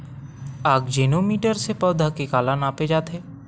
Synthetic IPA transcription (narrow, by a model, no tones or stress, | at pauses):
aːɡd͡ʒeːnomiːʈəɾsepəd̪ʱakekaːlanaːped͡ʒaːt̪ʰeː